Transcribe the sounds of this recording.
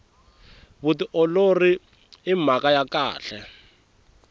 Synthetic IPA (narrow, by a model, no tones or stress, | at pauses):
βutiʔɔlori | im̤akajaka̰ːɬɛ